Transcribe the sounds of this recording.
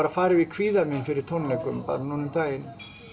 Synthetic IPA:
ɾafaːɾɪvɪkʰviːðamɪnfɪɾɪɾ̥t̪ʰɔnlɛkʏmpa̰ɾnunʏmt̪aːjɪn

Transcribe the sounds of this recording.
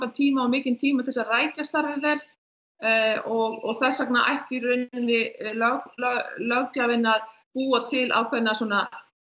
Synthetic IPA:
kat̪ʰiːmaawmɪːcɪnt̪ʰiːmaθɛsaraːjcast̪aɾvɪvɛɾ | ɔɣɔɣθɛsːakna̰ʔa̰jht̪iɾʏnɪnːɪlœɣlœlœɣc̪avɪnːaðpuːat̪ʰɪlʔa̰wkʰvɛnːasuɔna

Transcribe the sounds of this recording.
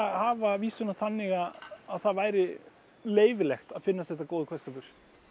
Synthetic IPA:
ahaːvaviːsʏnaθanːɪɣaaðθaðvaːjɾɪ | leːjvɪlɛxt̪aðfɪnːast̪θɛht̪akoːwðʏkʰvɛskapʏɾ̥

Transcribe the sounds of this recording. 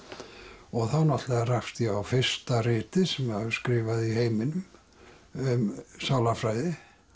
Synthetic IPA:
ɔɣθawnɔt̪lɛɣarafst̪iawfɪr̥st̪arɪːt̪ɪsɛmaðʏ̥skɾɪːvaðiheːjmɪnʏm | ʏmsawlafɾaːjðɪ

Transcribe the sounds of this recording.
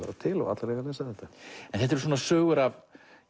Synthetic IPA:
ɛ̰ɾat̪ʰɪlɔ̰ɣa̰t̪laɾleɣaleːsaðɛht̪aɛnθɛht̪ɛɾsoːnasʏːɣʏɾav

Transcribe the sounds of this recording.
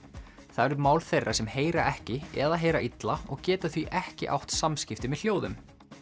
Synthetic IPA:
θaɛɾʏmawlθejrːʔasɛmheːjɾaʔɛhcɪɛðaɦeːjɾaʔit̪laɔɣcɛːt̪aθviʔɛhcɪ̰ʔa̰wht̪samscɪft̪ɪmɛðl̥joːwðʏm

